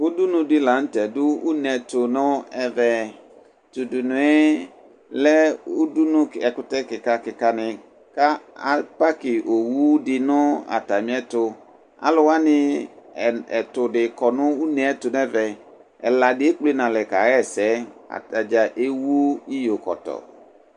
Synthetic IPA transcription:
u˦du˦nũ˨dɪ˦la˨n̩˦tɛ˨dʊ˦u˦nɛ˨tʊ˨nʊ̃˦ɛ˦vɛ˨ | t̪u˨du˨nʊ̃˨˦ɛ˦ | lɛ˦u˦du˦nʊ̃˦kɛ˨kʊ˨tɛ˦kɪ˨ka˦kɪ˨ka˦nɪ˨ | ka˦a˨pa˦kɪ˨ʔo˨wu˦dɪ˨nʊ̃˦a̰˨ta˨mĩ˨˦ɛ˦tʊ˨ | a̰˨lʊ˦wa˦nɪ̃˦˨ | ɛ˨tʊ˨dɪ˨kɔ˨nʊ̃˦u˦nɛ̃˨ɛ˦tʊ˨n˦ɛ˦vɛ˨ | ɛ˨la˨dɪ˨˦e˦k͡ple˦nã˨lɛ˨ka˨ɣɛ˦˨sɛ˨˦a̰˨ta˨d͡ʒa˨ʔe˦wu˦i˦jo˨kɔ̰˨tɔ̰˨

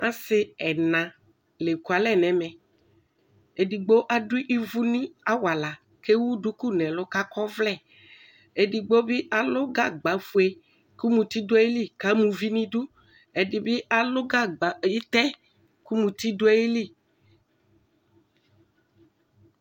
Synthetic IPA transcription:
ã˦sɪ˦ɛ˨nã˨ | le˨ku˨a˨lɛ˦˨nɛ̃˨mɛ̃˨ | e˨di˨ɡ͡bo˦ʔa˦du˦ʔi˦vu˦nĩ˦a˦wa˨la˨ | ke˦wu˦ɖu˦ku˦nɛ̃˨lʊ˦ka˦kɔ˦vlɛ˦˨ | e˨di˨ɡ͡bo˦bi˦ʔa˨lʊ˦ɡa˦ɡ͡ba˨fu˨e˨ | ku˦mũ˨t̪i˦dʊ˦e˦je˦li˦˨ka˦mũ˨vi˦nĩ˦du˦ | e˨di˨bi˦ʔa˨lʊ˦ɡa˦ɡ͡bji˦t̪ɛ˦ | ku˦mũ˨t̪i˦do˦ɛ˦i˦li˦˨

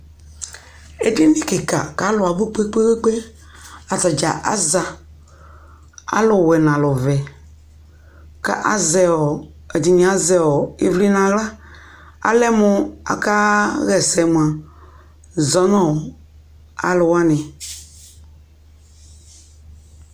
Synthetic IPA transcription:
e˦di˦nĩ˦ke˨ka̰˨ka˨˦lʊ˨a˨bu˦k͡pe˦k͡pe˦we˦k͡pe˦ | a˨ta˨d͡ʒa̰˨ʔa̰˦za˨ | a̰˦lʊ˨wɛ˨nã˨lɔ˨vɛ˨ | ka̰˦ʔa̰˨zɛ˨wɔ˨ | e˨di˨ɲĩ˨˦a˦zɛ˨wɔ˨e˦vli˦nã˨ɣla˦ | a̰˨lɛ˦mʊ̃˨a̰˨ka˦ɣɛ˨sɛ˨mũ˨a˨ | zɔ˨˦nɔ̃˦˨ | a̰˨lʊ˨wa˦nɪ̃˨

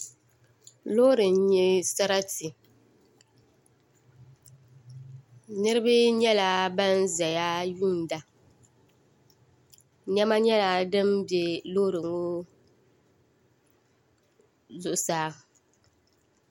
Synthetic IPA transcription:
lo˦ɾɨ˨n˦ɲi˦sa˦ɾa˦ti˨ | nɨ˦ɾɨ˦bɨ˦ɲɛ˦la˨ba˦n˦za˨ja˦ju˦˨n˨da˦ | ɲɛ˦ma˦ɲɛ˦la˨dɨ˦mbjɛ˨loː˦ɾɨ˨ŋo˦ | zʊ˨ʔʊ˨saː˦

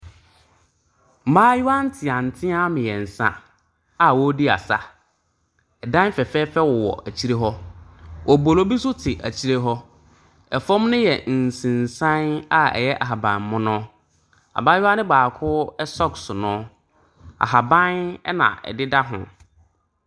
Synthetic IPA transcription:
m̩˨˦maː˦ju˦a˦n̩˦tʰɪ˨ã˨n̩˨tʰɪ̃˦a˦mɪ̃˨jɛ˨n̩˨sã̰˦ | a˨wɔ˦di˦a̰˨sa˦ | ɛ˨dã˦fɛ˨fɛː˦fɛ˦wɔ˨wɔ̰˨ʔa˨t͡ɕʰi˦ɾe˦ɦɔ˦ʔɔ˨bo˨lo˦bi˦sʊ˦tʰɪ˨ʔa˨t͡ɕʰi˦ɾe˦ɦɔ˦ | ɛ˨fɔ̃˦mnɪ̃˦jɛ˨n̩˨sĩ˨n˨sã˦na˦ɛ̰˨jɛ˦ʔa˨ɦa˨bã˨mːʊ̃˦nʊ̃˦ | a̰˨bã˦jɪ˦a˦nɪ̃˦baː˨kʰʊ˦ɛ˦sɔ˦ksʊ˨nʊ̃˦ | a̰˨ɦa˨bã˦nɛ˦nã̰˨ɛ̰˨dɪ˦da˦ɦʊ̰̃˨

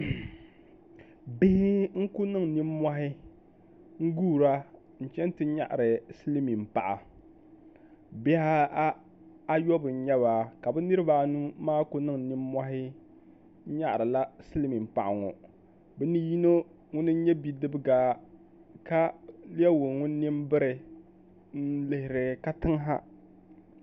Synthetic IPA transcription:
bɪ˦hɪ˦ŋ̩˦ku˦nɨ˦ŋni˦m˦mːa˦ɦɪ˦ | ŋ̩˦ɡuː˦˨ɾa˦ | n̩˨t͡ʃɛ˦n˦tɨ˦ɲa̰˦ʔa˨ɾɨ˨sɨ˦li˦mi˨m̩˨pa̰˨ʔa˨ | bɛ˦ha˦ | a˦jɔ˦bɨ˨n̩˦ɲɛ˦βaː˨ka˨bɛ˦nɨ˦ɾɨ˦ba˨nu˦maː˦ko˦nɨ˦ŋ˨ni˦mː˦a˦ɦɪ˦ | ɲa˦ʔɾɨ˨la˦sɨ˦li˦mi˨m˨pa˨ʔa̰˨ŋɔ˨ | bɛ˦ni˦ji˦no˦ | ŋʊ˦nɨ˦ɲɛ˦bi˦dɨ˦bɨ˦ɡaː˦ | ka˦lɪ˦ɛ˦wo˨ŋʊ˦n˦ni˦m˦bɨ˦ɾɨ˨ | n̩˦lɨ˦hɪ˨ɾɨ˦ka˦tɨ˦ŋ˦ɦa˦

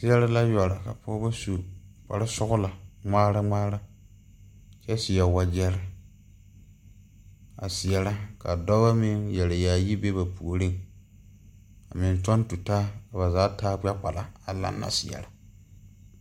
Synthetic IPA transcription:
sɪ˦ɛ˦ɾɪ˦la˦jɔ˨ɾa˨ka˨pɔː˦ba˦su˨k͡pa˨ɾɪ˦sʊ˦ɣʊ˦la˨ŋ͡maː˦ɾa˦ŋ͡maː˦ɾa˦ | t͡ʃɛ˦sɪ˨jɛ˨wa˦d͡ʒɛ˦ɾɪ˦ | a̰˨sɪ˨jɛ˨la˦ka˨dɔ˦ba˦mɪ˦ŋjɛ˨lɪ˨jaː˨ji˦be˦ba˨pu˨o˨ɾi˦˨ŋ | a˨mɪ˨ntɔ˦ntu˨taː˦ka˨ba˨zaː˨˦taː˦k͡pɛ˦k͡pa˨la˨a˨la̰˦nːa̰˨sɪ˨ɛ̰˨ɾa˦

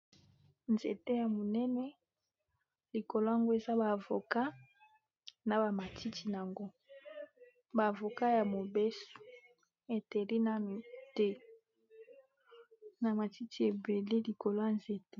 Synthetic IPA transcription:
nzḛ˨te˦ja˨mo˨nɛ˦nɛ˦ | li˨ko˨lo˦a˦˨ŋɡo˦e˨za˦baː˨vo̰˨ka˦ | na˨ba˨ma˨tʰi˦tʰi˨n˨a˨ŋɡo˦ | baː˨vo˨ka˦ja˨mo˨be˦so̥˨ | e˨te˨li˦na˨mi˨te˦ | na˨ma˨ti˦tʰi˨e˨be˨le˦li˨ko˨lo˦ja˨nze˨te˦

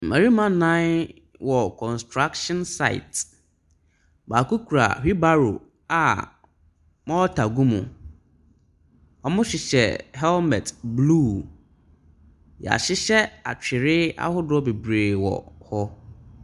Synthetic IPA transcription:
mɛ̃˨ɾi˦mã˦nã˦n | wɔ˨kʰɔ̃˨nstʰɾa˦kʃɔ̃˦nsa˦˨ɪ̰˨t | baː˨ku˦kʰu˨ɾa̰˨hᶣi˦ba˦ɾo̰˨ | a̰˨ | mɔ̃˦ɔ˦tʰa˨ɡũ˦mũ˨ | ɔ˨mʊ̃˦ɕᶣɪ˨ɕɛ̰˨hɛ˦lmɛ̰˨tbluː˦˨ | jɛ̰˨a̰˨ɕɪ˦ɕɛ˦a˨t͡ɕᶣʰɪ˨ɾɪ˦a̰˦hʊ˦dʊ˦ɔ˦be˨bɾeː˨wɔ̰˨hɔ˦

